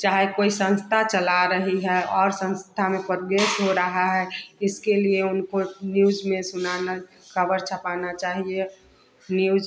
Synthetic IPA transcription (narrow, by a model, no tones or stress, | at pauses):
t͡ʃaːɦekoːisə̃nst̪ʰat͡ʃəlaɾəɦiɦɛɔːɾsə̃nst̪ʰamẽpɾoɡɾesɦoɾəɦaɦɛɪskelieʊnkonjuːzmẽsʊnana | kəbəɾt͡ʃʰəpaːnat͡ʃaːɦie | nuuːz